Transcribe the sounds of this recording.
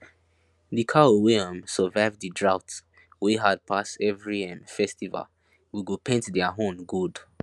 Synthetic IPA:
dikʰaowiãmsəvaɪvdidɹaʊt | wiɦad̚pʰasɛvɹiɛ̃nfɛstiva̰l | wiɡupʰẽntdɛaɦõmɡud

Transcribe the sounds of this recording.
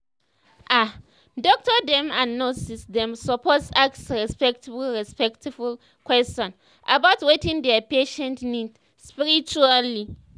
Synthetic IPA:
ʔa | dɔk̚tədɛ̃mãnnːɔsisdɛ̃msɔpɔsaksɹɛspɛk̚tiblɹɛspɛktʰibul | kwɛst͡ʃɔ̃n | ʔabaʊtwetĩŋdɛpeʃɛ̃ntnid | spiɹit͡ʃuali

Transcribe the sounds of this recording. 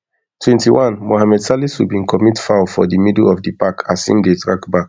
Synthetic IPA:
tʰwɛ̃ntiwãnmoɦamɛdsalisubĩnkʰɔmitfafɔ̰dimidlɔfdipakʰasḭ̃mdetɹa̰kbak

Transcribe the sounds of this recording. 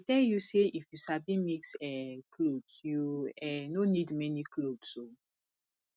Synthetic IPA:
itɛjuseʔifjusabimiksɛkʰlodsjuɛnonidmɛniklodso

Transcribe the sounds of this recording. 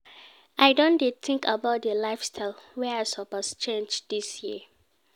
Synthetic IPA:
ʔaɪdõndetɪ̃ŋkʰabaʊt̚dəlaɪfstʰaɪlˠwɛasɔbast͡ʃẽnd͡ʒdisji

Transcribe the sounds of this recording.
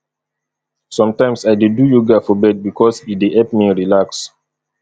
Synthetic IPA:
sɔ̃mtãɪ̃msajdidujuɡafɔbɛd̚bikʰɔsideʔɛpmiɹilaks

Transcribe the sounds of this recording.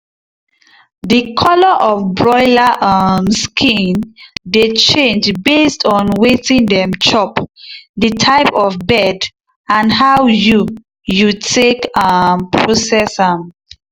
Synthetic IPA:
dəkʰɔlɔʔɔfbɹɔɪlaʔamskʰĩndet͡ʃẽnd͡ʒbestʰɔ̃nwetĩŋdɛ̃mt͡ʃɔpdətʰaɪpɔvbɛd | ãnhawju | jutʰekampʰɹosɛsam

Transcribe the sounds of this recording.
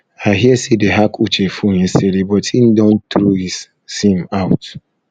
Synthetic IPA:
aɦiɛsedeɦakʰut͡ʃefoɲesedebɔtʰin̩dɔ̃ntɾohis | sĩmaʊt

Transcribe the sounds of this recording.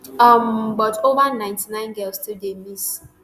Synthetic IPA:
ɔm̩bɔtovanãɪ̃ntinãɪ̃nɡɛlstidemis

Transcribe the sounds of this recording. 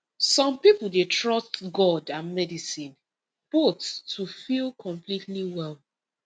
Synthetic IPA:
sɔ̃mpipl̩ˠdetɹɔstɡɔdãnmɛdisĩn | b̥otstʰufilkʰɔ̃mplitliwɛlˠ

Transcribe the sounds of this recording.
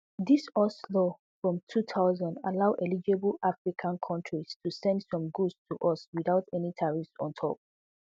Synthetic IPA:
ðisɔslɔ | fɹɔ̃mtʰutʰaʊzãnda̰laʊʔɛlid͡ʒebəlʔafɹikʰãnkʰɔ̃ntɹistʰusɛ̃ndsɔ̃mɡudstʰuʔɔswiðaʊtɛnitʰaɹifsɔ̰̃ntʰɔ̰p̚

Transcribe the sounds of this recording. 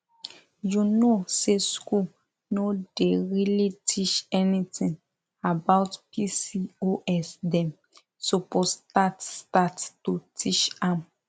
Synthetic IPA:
junosesku | nodeɾilitʰit͡ʃɛnĩtʰĩŋ | abaʊtpisioʔɛsdɛ̃m | sopostatstattutʰit͡ʃãm

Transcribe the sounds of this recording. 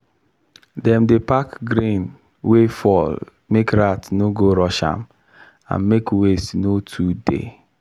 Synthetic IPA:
dɛmdepakɡɾĩn | wefɔl | mekɾatnoɡoɾɔʃã̰m | a̰nmekwestnotʰudḛ

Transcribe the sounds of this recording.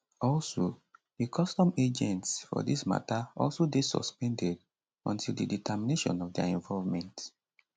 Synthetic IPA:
ɔlsodikʰɔstɔ̃med͡ʒɛ̃ntsfɔ̰disma̰taʔɔlˠsodesɔ̰spɛ̃ndɛd | ɔ̃ntʰilˠdiditəmineʃɔ̰̃nɔvdɛ̰ɛ̃ɱvɔlvmɛ̃nt

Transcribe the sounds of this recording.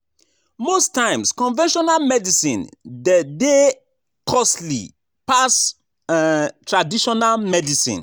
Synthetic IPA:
mostãɪ̃mskɔ̃nvɛ̃nʃɔnalmɛdisḭ̃ndde | kʰɔslḭ | pas | tʰɹadiʃɔnalmɛdisḭ̃n

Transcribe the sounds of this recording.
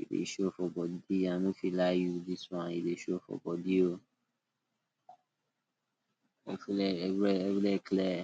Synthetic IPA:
ḭdḛʃofɔbɔdiãnũfilajudiswɔ̃nideʃofɔ̰bɔdio | ɛflɛɛɛfilɛklɛ

